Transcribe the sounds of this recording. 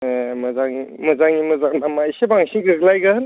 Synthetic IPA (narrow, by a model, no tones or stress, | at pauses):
emɐzaŋimɐzaŋimɐzaŋnamaisebaŋsiŋɡɯɡlajɡan